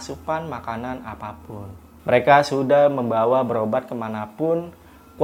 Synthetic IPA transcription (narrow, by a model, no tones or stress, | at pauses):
sukanmakanana̰papʊn | məɾekasudahməmbawabəɾobat̪̚kəmanapʊn | ku